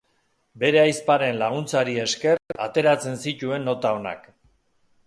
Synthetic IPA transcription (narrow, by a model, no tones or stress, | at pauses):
be̞ɾe̞ajspaɾe̞nlaɣ̞unt͡saɾie̞ske̞ra̰t̪e̞ɾat͡se̞nsit̪ue̞nːo̞t̪ao̞na̰k